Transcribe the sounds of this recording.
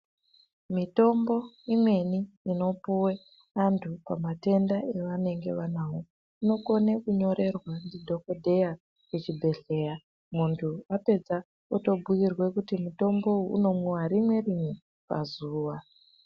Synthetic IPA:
mito̞mbo̞ | imwe̞niː | no̞puwe | antʰupamate̞ndae̞ʋane̞ŋɡe̞̰ʋanaːwo | uno̞ko̞nekuɲo̞ɾe̞rwandidʱo̞ko̞dʱe̞ja | kut͡ʃibʱe̞ɬe̞ːja | muntʰuape̞d͡za | oto̞bʱuirwe̞kutimuto̞mbo̞ṵno̞mwoaɾimwe̞rini | pa̰zuːʋa

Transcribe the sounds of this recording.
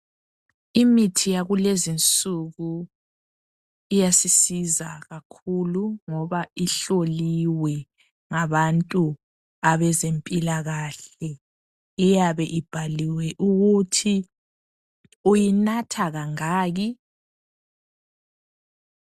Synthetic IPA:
imitʰijaɣulezint͡sʼuɣu | ijasisizaɣakʰuluŋɔβaiɬoliwɛ | ŋaβantʼu | aβɛzempʼilaɣaːɬɛ | ijaβɛʔib̥ʱaliwɛʔuɣutʰi | ujinatʰaɣaŋaːɣi

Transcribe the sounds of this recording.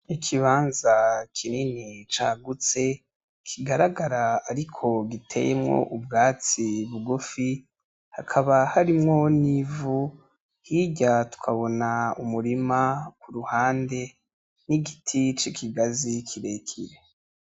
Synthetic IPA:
ikʰiβaːnzakʰininit͡ʃa̰ːɡut͡se̞ | kʰiɡaɾaɡaɾaaɾikʰo̞ɡitʰe̞̰jemŋo̞̰ʔubɡaːt͡siβuɡufi | hakʰaβahaɾimŋo̞nivu | hiɟatu̥kʰaβo̞naumuɾimakuɾuhaːnde̞ | niɡitʰit͡ʃikʰiɡazikʰiɾekʰiɾe

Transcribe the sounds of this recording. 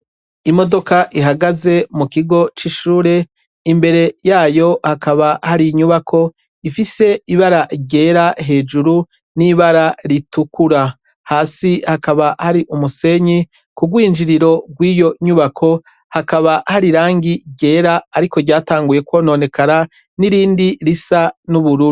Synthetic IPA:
imo̞do̞kaʔiɦaɡaze̞mukiɡo̞t͡ʃiʃuːɾe̞ | imbe̞ɾe̞jaːjo̞hakaβahaɾiɲuβakʰo̞ | ifise̞iβaɾaɟe̞ːɾaɦe̞ːd͡ʒuɾu | niβaɾaɾitukuɾa | haːsihakaβahaɾiʔumuse̞ɲi | kuɡwiːnd͡ʒiɾiɾo̞ɡwiːjo̞ɲuβakʰo̞ | hakaβahaɾiɾaːŋɡiɟe̞ːɾaːɾiko̞ɟaːtaːŋɡuje̞kwo̞ːno̞ne̞kaɾa | niɾiːndiɾisanuβuɾuɾu

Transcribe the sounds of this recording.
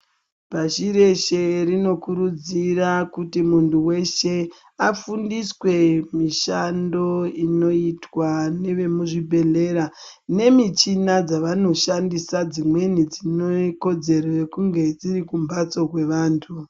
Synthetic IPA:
paʃiɾe̞ʃe̞rino̞kuɾud͡zirakutimuntuwe̞ʃe | afundiswe̞miʃando̞ino̞itwane̞ʋe̞muʐibʱe̞ɮe̞ɾa | ne̞mit͡ʃinad͡zaʋano̞ʃandisad͡zimwe̞nid͡zinoko̞d͡ze̞ɾoje̞kuŋɡe̞d͡ziɾikumbat͡so̞k̬we̞ʋaːntʰu

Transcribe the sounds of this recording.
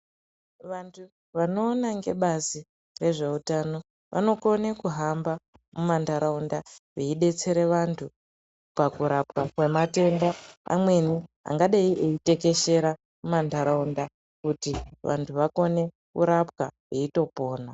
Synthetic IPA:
ʋantʰu | ʋano̞ːnaŋɡe̞̰ɓazi | re̞ʐe̞utano̞ | ʋʔa̰no̞ko̞nekuɦamba | mumandaɾaundaʋeiɗe̞t͡se̞ɾe̞ʋantʰu | pakuɾapkakwe̞mate̞ndaa̰mwe̞nia̰ŋɡaɗaiʔeite̞ke̞ʃe̞ɾa | mumandaɾaunda | kutiʋa̰ntʰuʋako̞ne̞ | kṵɾapwa | eito̞po̞ːna

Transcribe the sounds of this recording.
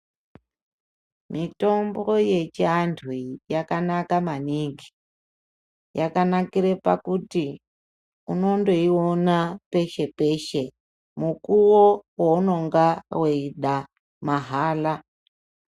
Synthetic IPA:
mito̞mbo̞je̞t͡ʃiantʰwijakanakamaniŋɡi̥ | jakanakiɾepa̰kuti | uno̞ndo̞ionape̞ʃe̞pe̞ʃe̞ | mukuwowouno̞ŋɡaweiɗa | maɦaːla

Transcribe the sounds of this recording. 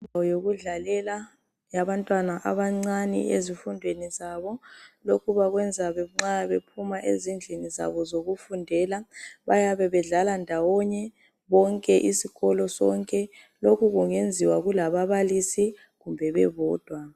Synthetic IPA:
nʱawɔjoɣuɮalɛla | jaβantʼwanaʔa̰βaŋ͡ǀanḭʔezifundʱwenizaβɔlokʰuβaɣwɛnd͡zʱaβɛŋ͡ǁaβepʰumaʔḛzind͡ɮʱiniza̰βɔzoɣufundʱɛːlaβajaβɛβɛɮalandʱawɔɲɛ | βɔŋkʼɛʔisiɣɔlɔsɔ̰ŋkʼɛ | lokʰuɣuŋend͡zʱiwaɣulaβaβalisi | ɣumbʱɛβɛ̰βɔːd̥ʱwa

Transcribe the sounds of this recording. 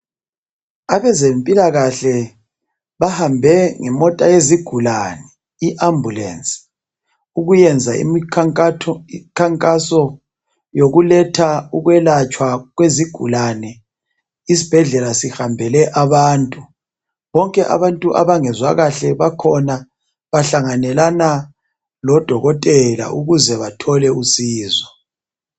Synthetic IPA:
aβɛzempʼilaɣaɬɛ | βahambʱɛŋɛmɔtʼajeziɡ̥ʱulanɛ | iʔambʱulɛ̰nt͡sʼi̥ | uɣujɛnd͡zʱaḭmi | kʰaŋkʼasɔ | joɣulɛtʰauɣwɛlat͡ʃʼwaɣweziɡ̥ʱṵlanɛ | isi̥b̥ʱɛɮɛlasihambʱɛlɛʔaβaːntʼu | βɔŋkʼɛʔa̰βantʼuʔa̰βaŋɛzwaɣaɬɛβakʰɔna | βaɬaŋanɛlana | lɔd̥ʱɔɣɔtʼɛla̰ʔuɣuzɛβatʰɔlɛusiːzɔ

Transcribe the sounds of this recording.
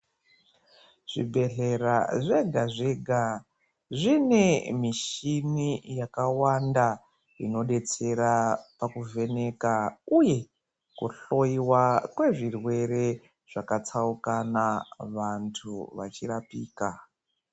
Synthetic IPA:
ʐ̥ḭbʱe̞ɬe̞ɾaʐe̞ɡʱaʐeɡʱa | ʐine̞miʃinijakawanda | ino̞ɗe̞t͡se̞ɾapakuve̞ne̞kauje̞ | kuɬo̞iwakwe̞ʐirwe̞ɾe̞ | ʐ̥akat͡saukanaʋantʰṵʋa̰t͡ʃirapiːka

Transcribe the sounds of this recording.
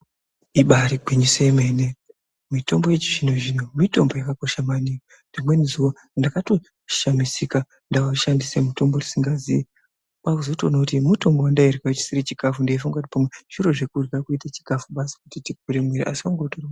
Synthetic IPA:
iɓaɾiɡʱiɲiseemene | mito̞mbo̞jet͡ʃiʐinoʐinomito̞mbo̞jakako̞ʃamanika | ndimwe̞nizuwo | ndakato | ʃamisika | ndawaʃandisemuto̞mborisiŋɡazi | kakuzotonokutimuto̞mbowandairɡaet͡ʃi̥siɾit͡ʃikafundeifuŋɡat̬ipamweʐ̥iɾo̞ʐekurɡakuitat͡ʃi̥kafuɓasi̥kutitiɡ̚ʱuɾemwiɾḭʔa̰siwaŋɡotora

